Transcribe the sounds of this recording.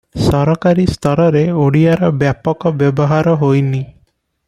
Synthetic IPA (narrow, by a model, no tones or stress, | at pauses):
sɔɾɔkaɾist̪ʰɔɾɔɾeoɽijaɾɔbjapɔkɔbjɔbɔɦaɾɔɦojni